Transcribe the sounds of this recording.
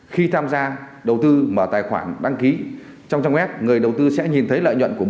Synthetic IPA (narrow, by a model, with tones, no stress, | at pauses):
xi˧t̪ʰaː˧mzaː˧ | ɗə˨˩wt̪ɨ˧məː˧˩t̪aː˨˩jxwaː˧˩nɗa˧ŋki˨˦ | t͡ɕɔ˧wŋ͡mt͡ɕa˧wŋ͡mmɛ˦˥p̚ŋɨ˨˩əjɗə˨˩wt̪ɨ˧sɛ̰˧˥ɲi˨˩nt̪ʰə˨˦jlə̰ː˧˨jɲwə̰˧˨nku˧˩ə